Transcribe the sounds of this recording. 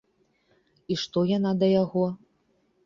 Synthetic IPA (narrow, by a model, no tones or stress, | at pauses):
iʂt̪ɔjanad̪ɐjaɣɔ